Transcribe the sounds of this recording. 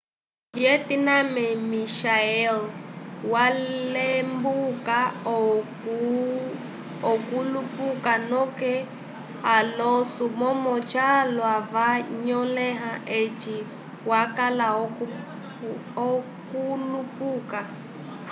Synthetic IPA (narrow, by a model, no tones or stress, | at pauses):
vjetinamɛmiʃaɛlwalembuka | ɔkulupukanɔkɛ | ɦalosumɔmɔt͡ʃʰalwavaɲɔlɛɦaʔet͡ʃi | wakala | ɔkulupuːka